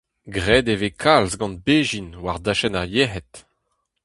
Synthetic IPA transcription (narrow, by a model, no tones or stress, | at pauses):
ɡʁɛːd̪evekʰalzɡɑ̃nbeːʒinwaʁd̪aʃɛnaʁjeɦɛt̪